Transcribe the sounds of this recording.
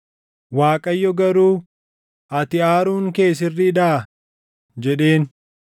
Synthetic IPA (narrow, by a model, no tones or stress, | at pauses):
waːkʼɐjːɔɡɐɾuː | ʔɐt̪ɪaːɾuːŋke̞ːs̬ɪrːɪᶑ̪aːɐ | d͡ʒɛᶑe̞ːn